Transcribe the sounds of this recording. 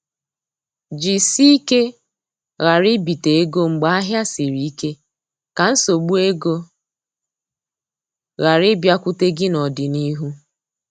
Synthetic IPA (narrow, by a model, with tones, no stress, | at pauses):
d͡ʒi˨si˦i˦ke˦ | ɣa˨ɾɪ˦bi˨te˨e˦ɡo˦ŋ͡m̩˨ɡ͡ba˦a˦ɦja˦si˨ɾi˨i˦ke˦ | ka˨n̩˦so˨ɡ͡bu˦e˦ɡo˦ | ɣa˨ɾɪ˦bja˦kʷʊ˦te˦ɡɪ˦nɔ˨dɪ˨ni˦ɦu˦